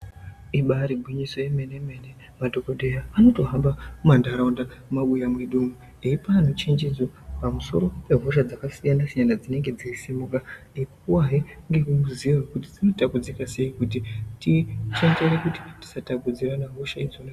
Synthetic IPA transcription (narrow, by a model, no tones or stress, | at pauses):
iɓaɾibʱwiɲiso̞jemeneme̞ne | madʱokodʱe̞jaano̞to̞ɦambamandaɾaundamumaɓujamweɗumu | eipanut͡ʃend͡ʒid͡zopamuso̞̰ɾo̞pe̞ɦoʃ̬ad͡zakasijanasiɲanad͡zine̞ŋɡe̞d͡zaisimuka | ikuwaɦeŋɡe̞kuuziawekuti̥d͡zino̞takud͡zikase̞ikutitit͡ʃand͡ʒerekuti̥ti̥satakud͡ziranaɦoʃaid͡zone